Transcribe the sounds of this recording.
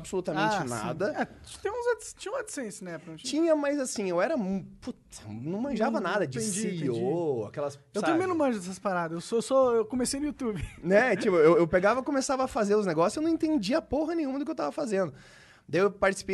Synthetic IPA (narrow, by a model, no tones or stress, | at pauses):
bsolut̪ɐmẽnt͡ʃɪnã̰d̪ɐɛ̥t̪ẽũzast͡ʃĩɲɐ̃ũmad͡ʒɪ̥sẽsɐnɛpɐ̃t͡ʃĩɲɐmajzasĩewɛɾɐput̪ɐ̥nɐ̃w̃mɐ̃ʒavɐnad̪ɐd͡ʒɪsioa̰kɛlɐs | ewt̪ẽmẽnʊ̃mɐ̃ʒɐd̪ɛsɐspaɾad̪ɐzewsoewsoewkomesejnʊjut̪ubɪnɛt͡ʃipʊewewpeɡavɐkõmesavɐːfazeɾʊzneɡɔsjsewnɐ̃ẽt̪ẽnd͡ʒiɐapoɦɐnẽjɲũmɐd̪ʊkewt̪avɐfazẽnd̪ʊ | d̪ajewpaɾt͡ʃi̥si̥pe